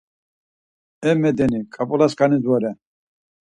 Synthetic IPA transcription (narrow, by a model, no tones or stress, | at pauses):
ɛmɛd̪ɛnikʼapʼɔlaskʼanid̪wɔɾɛ